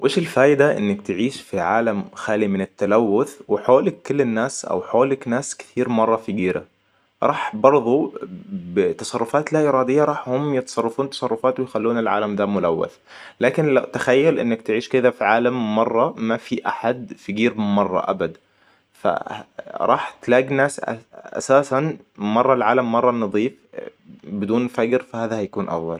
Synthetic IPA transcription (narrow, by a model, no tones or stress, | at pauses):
wʔeːʃelfæːʔd̪æʔḛnːekt̪eʕiːʃfiʕaːlæmxæːlimɪnet̪ːælæwːʊθweħoːlekːʊlːenːæːsʔæ̰wħoːleknæːskɪ̥t̪ʰiːɾmɑrˤːɑfiɡiːɾæ̰ | ɾˤʔɑːħbɑɾˤðˤo | bt̪ɑsˤɑrˤːofæːt̪læʔeɾˤɑːd̪ejːɑɾˤɑːħhomjet̪ɑ̥sˤɑrˤːɑfuːnt̪ɑ̥sˤɑrˤːofɑːt̪wejxælːuːnelʕa̰ːlæmd̪æːmʊlæwːæ̰θ | laːkɪnlawt̪axajːalʔɪ̰nːak̚t̪ɪʕiːʃkɪd̪afiʕaːlamːɑrˤːɑːafiʔa̰ħad̪fiɡiːɾmɑrˤːɑ̰ʔa̰bad̪ | fa̰ɾˤɑ̰ːħt̪laːɡinaːsa̰saːsanmɑrˤːɑlʕaːlamːɑrˤːɑnɑðˤiːf | bɪd̪uːnfaɡɾfahaːðahajakuːnʔɑ̰fðˤɑ̰l